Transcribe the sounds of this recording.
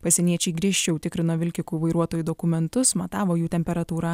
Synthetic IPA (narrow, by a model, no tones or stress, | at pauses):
pɐsʲɛnʲiɛt͡ʃʲɛɪɡɾʲiɛʃʲt͡ʃʲɛʊt̪ʲɪkɾʲɪnoːʋʲɪlʲkʲɪkuːʋɐɪɾuɔt̪oːjuːd̪oːkʊmʲɛnt̪ʊsmɐt̪ɑːʋoːjuːt̪ʲɛmʲpʲɛɾɐt̪uːɾɑː